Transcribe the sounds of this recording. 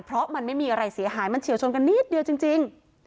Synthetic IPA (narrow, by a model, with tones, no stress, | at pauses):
pʰɾɔ˦˥ma˧nma˥˩jmiː˧ʔa˧ɾa˧jsi˩˦ɐɦaː˩˦jma˧nt͡ɕʰi˨˩˦wt͡ɕʰo˧nka˧nːi˦˥˩t̪̚di˧əwt͡ɕi˧ŋt͡ɕi˧ŋ